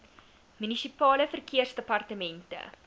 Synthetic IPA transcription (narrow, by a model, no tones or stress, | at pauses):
mynisipɑːləfərkʰiərsdəpɐrtəmɛntə̰